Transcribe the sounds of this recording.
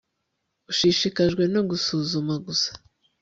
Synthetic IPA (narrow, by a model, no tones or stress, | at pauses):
uʃiʃikaʒɡwe̞no̞ɡusuzumaɡusḁ